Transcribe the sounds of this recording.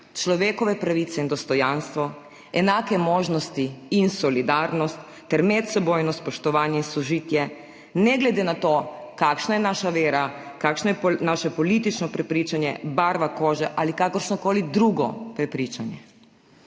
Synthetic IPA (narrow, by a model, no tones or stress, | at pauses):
t͡ʃlɔʋeːkɔʋɛpɾaʋit̪sɛind̪ɔst̪ɔjanst̪ʋɔ | ɛnaːkɛmoːʒnɔst̪iinsɔlid̪aːɾnɔst̪ːɛɾmɛt̪sɛboːjnɔspɔʃt̪ɔʋaːnjɛinsɔʒiːt̪jɛ | nɛɡlɛd̪eːnat̪oːkakʃnajɛnaːʃaʋeːɾakakʃnɔjɛnaʃɛpɔlit̪it͡ʃnɔpɾɛpɾiːt͡ʃanjɛ̰baɾʋakoːʒɛʔalikakɔɾʃnɔkoːlid̪ɾuɡɔ̰pɾɛpɾit͡ʃanjɛ